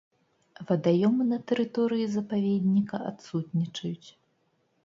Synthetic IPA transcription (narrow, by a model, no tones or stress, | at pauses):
vɐd̪ajɔmɨnɐt̪ɛɾɨt̪ɔɾɨjizɐpavʲed̪ʲnʲikɐa̰t̪sut̪nʲit͡ʂɐjut͡sʲ